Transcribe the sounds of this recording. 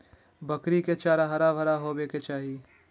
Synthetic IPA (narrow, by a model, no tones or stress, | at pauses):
bɐkɾiket͡ʃaːɾaɦɐɾabʱɐɾaɦobeːket͡ʃaːɦi